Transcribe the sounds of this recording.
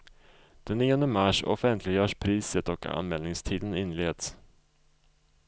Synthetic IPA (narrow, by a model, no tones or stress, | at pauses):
d̪̥ɛnːiːɔnd̪əmaʂɔ̰fɛnt̪ʰlɪɡjœːʂpʰɾiːsət̪ɔka̰nmɛːlnɪŋst̪ʰiːd̪ənɪnːleːd̪s